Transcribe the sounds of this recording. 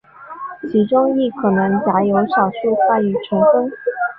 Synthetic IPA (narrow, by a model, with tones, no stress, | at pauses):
t͡ɕʰi˧˥ʈ͡ʂʊ˥ŋi˥˩kʰɤ˨˩nɤ˧˥ŋt͡ɕja˧˥jo˧˥ʊɕɑ˨˩ʊʂu˥˧tʰa˥˩y˨˩ʈ͡ʂʰə˧˥ŋfə˥ŋ